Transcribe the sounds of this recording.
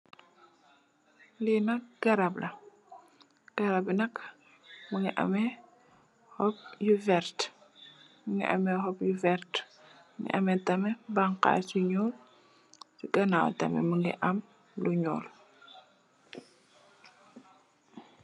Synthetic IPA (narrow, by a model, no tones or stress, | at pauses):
linɐk̚ɡ̥ɐɾablɐ | ɡ̥ɐɾabinɐk | muŋiʔɐ̰mɛ | hɔp̚juvɛɾt | muŋɡḭʔɐ̰mɛhɔpjuvɛɾt | muŋḭʔɐmɛtɐmɛbaŋka̰suɲɔːl | siɡɐnaw̰tɐ̰mɛ̰muŋɡḭʔɐm | luɲɔ̰ːl